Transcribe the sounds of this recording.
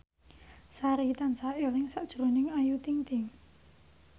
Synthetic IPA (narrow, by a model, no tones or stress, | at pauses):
saɾit̪ansaɪlɪŋsaʔd̥ʒ̥ɾonɪŋajut̪iŋt̪ɪŋ